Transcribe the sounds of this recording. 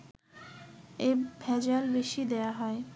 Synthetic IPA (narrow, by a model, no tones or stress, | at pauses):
ebʱɛd͡ʑalbeʃid̪ejaɦɔe